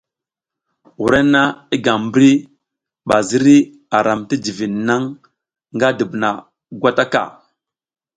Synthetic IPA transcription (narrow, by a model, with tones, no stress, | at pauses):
wu˨ɾe˦na˦i˦ɡa˨bɾi˦ | ɓa˨zi˦ɾi˦ | a˨ɾa˨mti˦d͡ʒi˨vi˨nːa˦ŋ | ŋɡa˦də˨bna˨ | ɡʷa˦ta˦ka̰˨